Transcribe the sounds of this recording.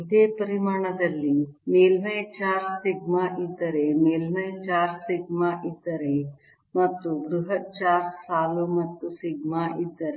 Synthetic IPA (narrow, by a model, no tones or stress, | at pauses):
id̪eːpɐɾimaːɳɐd̪ɐlːi | meːlmɐjt͡ʃaːɾsiɡmaʔid̪ːɐɾemeːlmɐjt͡ʃaːɾsiɡmaʔid̪ːɐɾe | mɐt̪ːuɡɾuɦɐt͡ʃaːɾsaːlumɐt̪ːusiɡmaʔid̪ːɐɾe